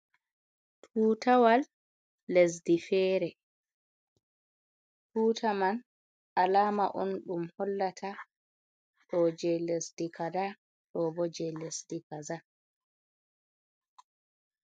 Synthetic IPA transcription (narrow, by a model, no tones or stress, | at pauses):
tʰuːtawalː | es̬difɛːɾɛ | tʰuːtʰaman | alaːma̰ʔɔnɗumhɔlːatʰa | ɗɔd͡ʒɛlesdikada | ɗɔbɔd͡ʒɛlesdikaza